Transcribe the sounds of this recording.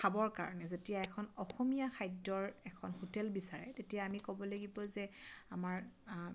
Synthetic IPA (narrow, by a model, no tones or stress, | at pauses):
kʰabɔɹka̰ɹɔ̰nɛzetijaɛkʰɔnɔxɔmijaxʰajdɔɹɛkʰɔnhotɛlbisaɹɛ̰tetijaːmikɔbɔlaɡibɔzɛamaɹ